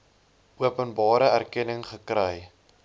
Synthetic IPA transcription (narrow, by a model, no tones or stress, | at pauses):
ʔuəpənbɑːɾəærkɛnəŋχəkɾɛj